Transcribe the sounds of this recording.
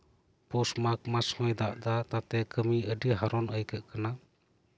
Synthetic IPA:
pɔsmak̚masɔjd̪aʔd̪at̪at̪ɛkəmiəɖiɦaɾɔnəjkʰəʔkana

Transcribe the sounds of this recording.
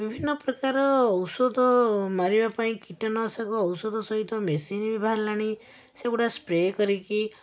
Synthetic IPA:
bibʱinːɔpɾɔkaɾɔːwsɔd̪ʱɔmaɾibapaĩkiʈɔnɔsakuɔwsɔd̪ʱɔsɔɦit̪ɔmesinbibʱɦaɾlaɽ̃i | seɡuʈaspɾekɔɾiki

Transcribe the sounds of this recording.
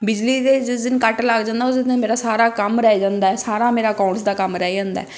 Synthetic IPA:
bɪd͡ʒliːd̪eːd͡ʒd͡ʒɪnkəʈlaɡd͡ʒãːnd̪aosd̪ẽmeːɾaːsaːɾaːkəmɾɛːd͡ʒãːnd̪aːɛːsaːɾaːmeːɾaːkãːsd̪aːkəmɾɛːd͡ʒãːnd̪a̰ɛː

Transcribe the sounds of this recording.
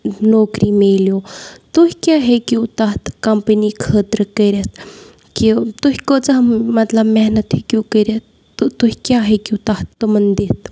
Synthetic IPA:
noːkɾiːmeːljoːt̪uɦkʲjaːɦekjuːt̪aɦt̪kɐmpəniːkʰəːt̪ɾkəɾʲɐt̪ | kit̪uɦʲkoːt͡sɐɦmmɐt̪lɐbmeɦnɐt̪hekʲjuːkəɾjɐt̪ː | t̪uɦʲkjaːɦekʲjut̪ɐht̪ːumɐnd̪eːt̪

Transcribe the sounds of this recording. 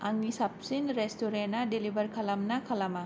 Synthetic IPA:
ʔaŋisapsinɾɛst̪uɾenadelibərkʰalamnakʰalama

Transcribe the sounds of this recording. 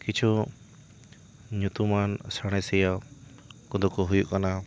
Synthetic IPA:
kit͡ʃʰu | ɲut̪umansaɽ̃ɛsɛjɔ | kud̪ɔkɔɦujuʔkana

